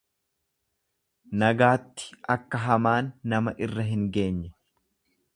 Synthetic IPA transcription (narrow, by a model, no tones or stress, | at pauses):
nɐɡaːt̪ːɪ̥ʔɐkːɐɦɐmaːnːɐmɐʔɪrːɐɦɪŋɡe̞ːɲːɛ